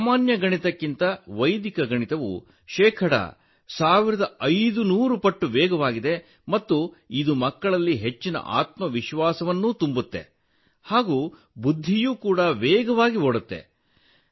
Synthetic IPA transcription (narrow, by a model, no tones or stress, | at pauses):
saːmaːnjɐɡɐɳit̪ɐkːint̪ɐʋɐjd̪ikɐɡɐɳit̪ɐʋṵ | ʃɛːkʰɐɽɐ̰ | saːʋiɾɐd̪ɐɐjd̪unuːɾupɐʈːuʋɛːɡɐʋaːɡid̪e̞ | mɐt̪ːu | id̪umɐkːɐɭɐlːiɦet͡ʃːinɐ̰ʔa̰ːt̪mɐʋiʃʋaːsɐʋɐnːuːt̪umbut̪ːe̞̰ | haːɡuː | bud̪ʱːijuːkuːɽɐʋɛːɡɐʋaːɡiɔɽut̪ːe̞̰